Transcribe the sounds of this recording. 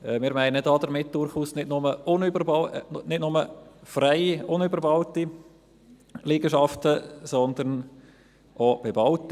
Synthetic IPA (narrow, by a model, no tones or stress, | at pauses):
ɛmɪːɾmæɪnədɑːd̪əɾmɪt̚d̪̥ʊɾχuːsnɪtnʊməʊnybəbnɪtnʊməfrɛɪʊnybəɾbɑʊti | liːɡəʃɑftəsɔnd̪əɾn | ʔob̥ebɑʊt